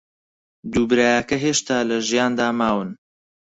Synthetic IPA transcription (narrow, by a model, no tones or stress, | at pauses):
d̪uːbɨɾaːjɐkɐɦeːʃt̪aːlɐʒijaːnd̪aːmaːwɨn